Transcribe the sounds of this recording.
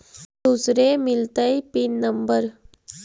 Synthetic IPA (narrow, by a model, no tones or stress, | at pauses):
d̪usɾemɪlt̪əipinːɐmbəɾ